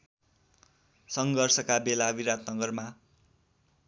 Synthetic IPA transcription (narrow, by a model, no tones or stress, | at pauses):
sʌŋɡʌrsʌkabelabiɾat̪nʌɡʌrma